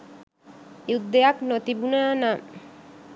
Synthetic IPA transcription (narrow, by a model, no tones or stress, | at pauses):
jud̪ːejaknot̪ibunana